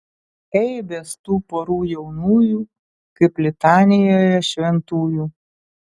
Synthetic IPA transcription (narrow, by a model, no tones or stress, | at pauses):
ɛɪbʲeːst̪uːpoɾuːjɛʊnuːjuː | kɐɪplʲɪt̪ɑːnʲɪjoːjɛʃʲʋʲɛnt̪uːjuː